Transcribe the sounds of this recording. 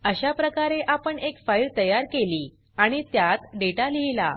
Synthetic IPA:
əɕapɾəkaɾeʔapəɳekfajɾt̪əjaɾkeliː | aɽ̃it̪jat̪ɖeʈaliɦila̰

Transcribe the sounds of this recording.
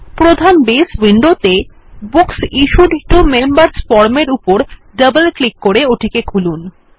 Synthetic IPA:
pɾod̪ʱanbeswiɳɖot̪e | buksiʃuɖʱiʈomembəɾsfɔɾmeɾupoɾ | ɖəbəlklikːoɾeoʈʰikekʰulun

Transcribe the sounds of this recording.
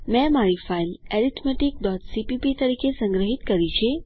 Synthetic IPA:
mɛ̃maɭifailɛɾit̪ʰmeʈik̚ɖɔt̪sipipit̪əɾiːkesə̃ŋɡɾəɦit̪kəɾit͡ʃe

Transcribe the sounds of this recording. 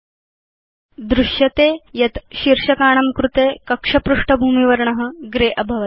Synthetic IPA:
d̪ɾuʂjɐt̪eːjɐt̪ɕiɾʂɐkaːɳ̃ɐmkɾut̪eːkɐkʂɐpɾuʂʈɐbʱuːmiʋɐɾɳɐɦə̆ɡɾeːʔɐbʱɐʋɐ

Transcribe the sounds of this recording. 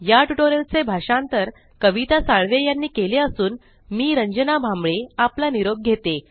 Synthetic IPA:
jaʈuʈoɾəlt͡sebʱaʂãnt̪əɾ | kəʋit̪asaɭʋejanːiːkeleəsuːn | miːɾəɲd͡ʑənabʱãmbɭeaplaniɾoɡ̚ɡʱet̪e

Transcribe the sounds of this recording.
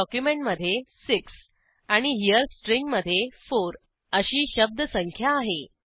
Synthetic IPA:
ɔkjumeɳʈməd̪ʱːjesiks | aɽ̃iɦijəɾsʈɾiŋɡməd̪ʱːjefoɾ | əɕiːɕəb̚d̪ʱəsəŋkʰjaːɦe

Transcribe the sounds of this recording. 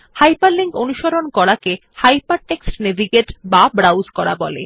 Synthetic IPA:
hajpaɾliŋkonuʃoɾonkɔɾake | hajpaɾʈeksʈnebʱiɡeʈbabɾawzkɔɾa̰bɔlḛ

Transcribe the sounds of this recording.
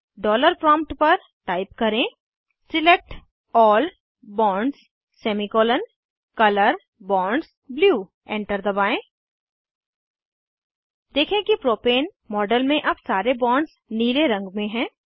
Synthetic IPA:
ɖɔːləɾpɾɔ̃ːmp̚ʈpɐɾ | ʈaːɪpkɐɾẽ | sɪlek̚ʈ | ɔːl | bɔːɳɖs | seːmikoːlən | kɐləɾ | bɔ̃ːɳɖs | bljuː | ɛ̃ːɳʈəɾd̪ɐbaːẽː | d̪eːkʰẽkipɾoːpeːn | mɔːɖəlmẽʔɐbsaːɾebɔ̃ːɳɖs | niːleɾɐ̃ŋɡmẽɦɛ̃ː

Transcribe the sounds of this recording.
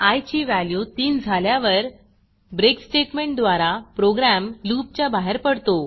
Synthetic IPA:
ajt͡ɕiːʋæljut̪iːnd͡zʱaljaʋəɾ | bɾeksʈeʈmeɳʈ̚d̪ʋaɾapɾoɡɾæmluːp̚t͡ɕjabaɦeɾpəɽt̪o

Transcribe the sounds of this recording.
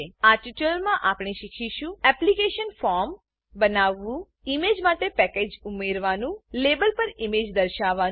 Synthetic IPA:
aɾʈiʈəlmãʔapɳ̃iʃikʰiʃũɛplikeʃənfɔɾm | bənaʋːũ | imed͡ʒmaʈepɛked͡ʒumeɾʋanũlebəlpəɾimed͡ʒd̪əɾʃaʋa

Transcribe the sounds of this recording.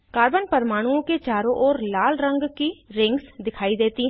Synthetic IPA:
kaːɾbənpəɾmaːɽ̃uõket͡ʃaːɾõʔɔːɾlaːlɾə̃ŋɡkiːɾɪ̃ŋɡsd̪ɪkʰaːid̪eːt̪iː

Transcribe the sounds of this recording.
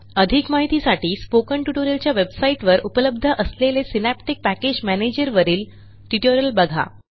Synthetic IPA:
əd̪ʱikmaɦit̪isaʈiːspokəɳʈuʈoɾjəlt͡ɕjaʋebsaiʈʋəɾupələbd̪ʱəʔəslelesinæp̚ʈik̚pæked͡ʑmæned͡ʑəɾʋəɾiːl | ʈiʈoɾəlbəɡʱa̰

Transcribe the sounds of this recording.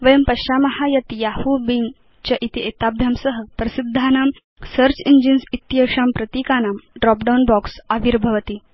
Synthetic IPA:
ʋəjəmpɐɕamɐhajɐt̪jahubiŋ | t͡ɕaʔit̪iʔet̪abʱjamsəɦəpɾɐsid̪ʱːanaːm | səɾt͡ɕiɲd͡ʑinsit̪jɐʂampɾɐt̪iːkanamɖɾɔk̚ɖawnbɔksaʋiɾbʱɐʋət̪i

